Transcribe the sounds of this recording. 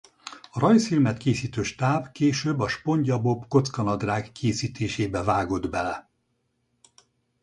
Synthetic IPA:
ɒɾɒjsilmɛt̪keːsiːt̪øʃt̪aːvkeːʃøːbːɒʃpo̞ɲɟɒbo̞pko̞t̪skɒnɒd̪raːkːeːsiːt̪ʰeːʃeːbɛvaːɡo̞d̪bɛlɛ

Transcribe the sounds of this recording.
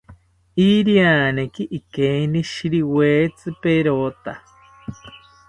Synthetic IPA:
iɾianekiʔikeiniʃiɾiweːt͡sɨpeɾot̪a

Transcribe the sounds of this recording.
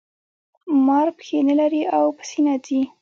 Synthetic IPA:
mɑɾpxenalaɾiʔawpə̥sinazi

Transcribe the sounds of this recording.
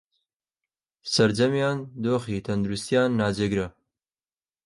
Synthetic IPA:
sɐɾd͡ʒɐmjaːnd̪oːxiːt̪ʰɐnd̪uɾust̪ijaːnːaːd͡ʒeːɡɾɐ

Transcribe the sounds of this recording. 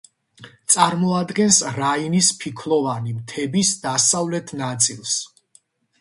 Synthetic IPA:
t̪sʼaɾmɔad̪ɡɛnsɾainispʰikʰlˠɔvanimt̪ʰɛbisd̪̥asavlɛt̪ʰnat̪sʼilˠs

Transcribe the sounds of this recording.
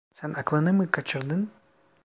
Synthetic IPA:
sænaklˠanɯmɯkʰat͡ʃɯɾd̪ɯn

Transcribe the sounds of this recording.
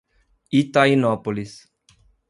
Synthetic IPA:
it̪ainɔpolis

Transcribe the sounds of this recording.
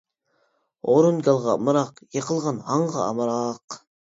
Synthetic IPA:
oɾonɡʲɑlˠʁɑmɑɾɑqjeqʰəlˠʁɑnhɑɴʁɑ̰ɑ̰mɑɾɑq

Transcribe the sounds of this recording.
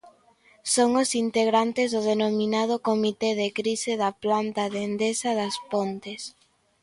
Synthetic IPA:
soŋosint̪eɣɾant̪ɪzðʊð̞enominað̞ʊkomit̪eðekɾiseðɐplant̪aðend̪esaðɐspont̪es

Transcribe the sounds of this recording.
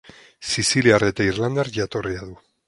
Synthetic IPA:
sisiliare̞t̪airland̪arʝat̪oriaðu

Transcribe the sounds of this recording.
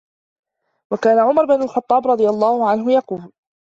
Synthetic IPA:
wakaːnaʕʊmɑɾˤbɪnalxɑt̪ˤːɑːbɾˤɑd̪ˤɨjalˤːɑːhʊʕanɦʊjɑquːl

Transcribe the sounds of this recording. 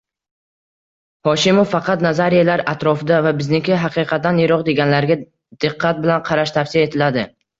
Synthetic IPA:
hɒʃɪmofːɑqɑt̪nazaɾijalaɾat̪ɾɒfɪd̪avabɪznɪkʲɪɦɑqɨqʰɑt̪ːanjɪɾɒqd̪e̞ɡʲanlaɾɡʲa | d̪̥ɪqːɑt̪̚bɪlanqʰɑɾaʃt̪ʰafsɪaet̪ʰɪlad̪ɪ

